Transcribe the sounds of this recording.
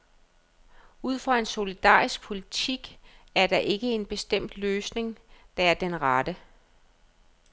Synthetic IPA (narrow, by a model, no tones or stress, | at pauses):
uð̞̰ˠfɒe̝nso̝lid̥ɑ̰̈ːʁisɡ̥̚pʰo̝lit͡sʰiɡ̥æɐd̥ɑ̈ʔe̝ɡ̥əe̝nb̥e̝sd̥em̰d̥løːsne̝ŋd̥ɑ̈æɐd̥enʁɑd̥ə